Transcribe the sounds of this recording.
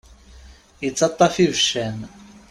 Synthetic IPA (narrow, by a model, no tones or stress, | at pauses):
jət͡sːɑt̪ˤːɑfivəʃæn